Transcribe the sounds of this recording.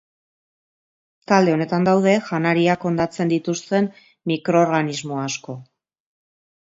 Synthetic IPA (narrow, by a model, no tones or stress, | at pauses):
t̪ald̪e̞o̞ne̞t̪and̪awð̞e̞ʝanaɾiako̞nd̪at͡se̞nd̪it̪ust̪e̞n | mikɾo̞ːɾɣanizmo̞asko̞